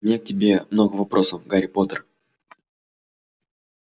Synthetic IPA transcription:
mnʲek̚tʲɪbʲe̞mnoɡəvɐpɾʔosəfɡaɾʲɪpot̪ər

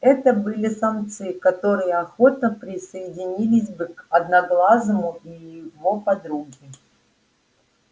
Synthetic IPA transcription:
ɛt̪əbɨlʲɪsank̚t̪sɨjɪkɐt̪o̞ɾɨjəɐxo̞t̪nəpɾʲɪsəjɪdʲɪnʲilʲɪsʲbɨkɐd̪nɐɡlˠaznəmʊijɪvopɐd̪ɾuɡʲɪ

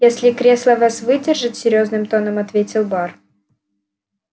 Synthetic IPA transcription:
jesʲlʲɪkɾʲeslˠəvasvɨdʲɪrʐɨtʲsʲɪɾʲjoznɨmt̪o̞nəmɐt̪vʲetʲɪlˠbar

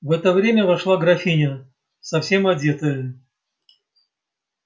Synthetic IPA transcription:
vɛt̪əvɾʲemʲəvɐʂlˠaɡɾɐfʲinʲə | sɐfsʲe̞mɐdʲe̞t̪əjə

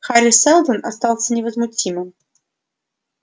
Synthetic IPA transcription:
xaɾʲɪsɛlˠd̪ənast̪ɑlˠsʲənʲɪvəzmʊtʲimɨm

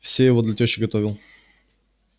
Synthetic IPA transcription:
fsʲejɪvod̪lʲɐt̪ʲɪaɕːɪɡɐt̪ovʲɪlˠ

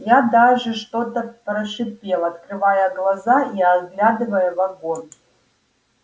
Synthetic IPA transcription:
jad̪aʐɨʂt̪o̞t̪əpɾəʂɨpʲelˠɐt̪kɾɨvajəɡlˠazaiɐɡlʲad̪ɨvəjəvɐɡon

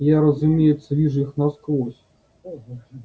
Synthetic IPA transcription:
jaɾɐzʊmʲejɛt̪sːəvʲiʐujixnasklˠɔsʲ

